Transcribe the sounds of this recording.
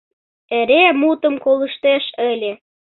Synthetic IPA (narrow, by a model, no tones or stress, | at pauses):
eɾemut̪ə̆mkolə̆ʃt̪eʃəlʲe